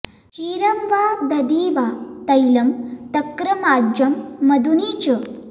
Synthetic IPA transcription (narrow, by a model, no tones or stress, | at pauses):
kiːɾɐmʋaːd̪ɐd̪iːʋat̪ɐjlɐmt̪ɐkːɾɐmaːd͡ʒɐmːɐd̪uniːt͡ɕə